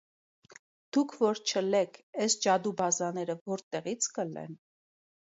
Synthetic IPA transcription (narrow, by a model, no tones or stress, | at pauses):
d̪̥ukʰvɔɾt͡ʃʰəlɛkʰɛsd͡ʒɑd̪ubɑzɑnɛɾəvɔɾt̪ɛʁit͡sʰkəlɛ̰n